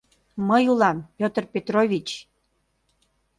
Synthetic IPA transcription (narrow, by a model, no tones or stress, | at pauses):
məjulɑmpʲjot̪rpʲet̪rovʲit͡ɕ